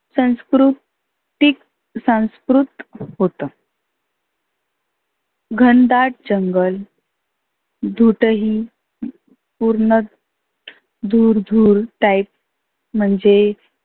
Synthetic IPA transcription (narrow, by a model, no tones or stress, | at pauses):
sə̃w̃skɾu | t̪ik | sãw̃skɾut̪ɦot̪ə | ɡʱənd̪aʈ̚d͡ʑəŋɡəl | d̪ʱuʈəɦi | puɾɳə | d̪ʱuːɾd̪ʱuːɾʈajp̚ | m̤əɳd͡ze